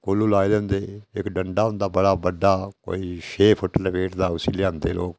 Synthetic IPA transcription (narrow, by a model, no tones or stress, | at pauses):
koːlːuːlaːed̪end̪eːɪkɖəɳɖaːɦʊ̃nd̪aːbəɽaːbəɖaːko̰ːiːʃeːpʰʊʈəlpeːʈd̪aːʊsiːlɪãːnd̪eːlo̰ːk